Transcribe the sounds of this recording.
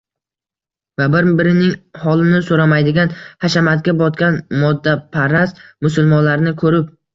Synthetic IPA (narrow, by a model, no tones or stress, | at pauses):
vabɪɾbɪɾɪnɪŋhɒlɪnɪsoɾamajd̪ɪɡʲanhaʃamat̪̚kʲabɒt̪kʲanmɒd̪ːapʰaɾast̪mʊsʊlˠmɒnlaɾnɪkʰɵɾɪp̚